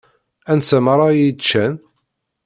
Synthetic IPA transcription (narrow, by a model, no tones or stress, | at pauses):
ænsæməɾˤɑjit͡ʃːæn